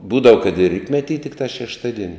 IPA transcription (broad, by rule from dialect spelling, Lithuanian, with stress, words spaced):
ˈbuːdɐʋɐ kɐt ɪr ˈrʲiːtʲmʲɛtʲiː tʲɪkˈtɑː ʃʲɛʃˈtɑːˌdʲiɛnʲɪ